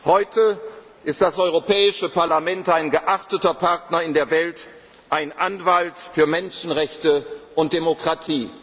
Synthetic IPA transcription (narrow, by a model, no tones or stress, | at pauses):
hɔʏtə | ʔɪst̚d̥asʔɔʏʁopʰɛːɪʃəpaɐlamɛntaɪnɡəʔaχtətɐpʰaɐtnɐɪndeːɐvɛlt | ʔaɪnʔanvaltfyːɐmɛnʃn̩ʁɛçtəʔʊnt̚d̥emokʁ̥atʰiː